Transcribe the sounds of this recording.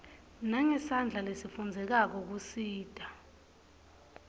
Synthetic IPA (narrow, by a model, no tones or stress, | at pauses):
naŋɛsand͡ɮʱalesifund͡zʱɛk̬ak̬ɔk̬usiːd̥ʱʼa